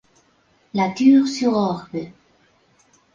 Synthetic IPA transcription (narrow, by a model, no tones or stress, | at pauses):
lat̪yːʁsyʁɔʁbə